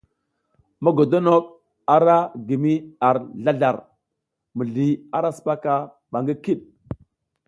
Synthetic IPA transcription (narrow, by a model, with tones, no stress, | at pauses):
ma˦ɡo˨do˦no˦k̚ | a˨ɾa˦ɡi˨mi˦a˨ɾɮa˦ɮa˨ɾ | mə˨ɮi˨a˨ɾa˦spa˦ka˦ | ɓa˨ŋɡə˦ki˦ɗ